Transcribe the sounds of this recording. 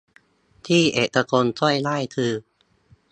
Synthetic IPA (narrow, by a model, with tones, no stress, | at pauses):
t̪ʰiː˥˩ʔeː˨˩ka˧ko˧nsu˥˩˨jla˥˩jkʰɯː˧